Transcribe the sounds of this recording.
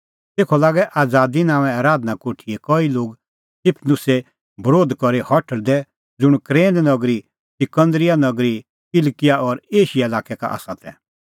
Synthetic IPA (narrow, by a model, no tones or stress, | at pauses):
t̪eːkʰɔlaːɡɛʔaːd͡zaːd̪inãːʋɛ̃aːɾaːd̪nakoːʈʰiekɔiloːɡ | sɪpʰnʊse | bəɾoːd̪kɔɾihɔʈʰəld̪ɛ | d͡zʊɽ̃kɾẽːnd̪nɐɡɾi | sɪkə̃nd̪ɾɪjanɐɡɾi | kɪlkɪjaɔɾeːʃijaelaːkɛka̰ʔa̰ːsat̪ʰɛ̰